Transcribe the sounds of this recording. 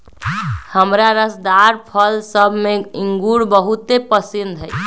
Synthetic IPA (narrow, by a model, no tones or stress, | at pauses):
həmɾaɾəsd̪aɾpʰəlsəbʱmeiŋɡuɽbəɦut̪epəsind̪ʱəj